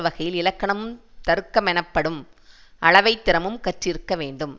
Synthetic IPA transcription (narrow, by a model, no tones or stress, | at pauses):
ʋɐɣɐjɪlɪlɐkːɐɳɐmɯmt̪ɐɾɯkːɐmɛnɐpːɐɽɯmʔɐɭɐʋɐɪt̪ːɪɾɐmɯmkɐʈrɪɾɯkːɐʋeːɳɖɯm